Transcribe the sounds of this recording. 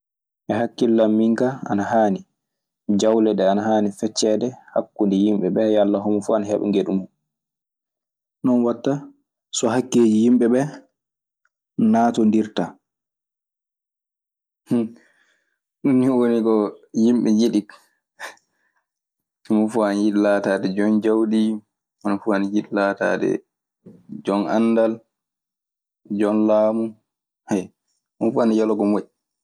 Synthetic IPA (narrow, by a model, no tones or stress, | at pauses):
ʔɛhakːilːamːiŋkaa̰nahaːni | d͡ʒawlɛɗɛanahaːnifɛt͡ʃːɛdɛhakːundijimɓɛɓɛjalːaɦɔmɔfuanahɛɓɛ̰ŋɡeɗumu | nɔnwatːa | sɔɦakːeːd͡ʒijimɓɛɓɛ | naːtɔndiɾta | h | ɗunːiɔwonikɔjimɓɛjiɗik | munfuanjiɗlatadɛd͡ʒɔnd͡ʒawɗi | manfuanjiɗlata̰ːdɛ̰ | d͡ʒɔna̰nːdal | d͡ʒɔnlaːmu | haj | munfuanjalɔɡɔmoɗi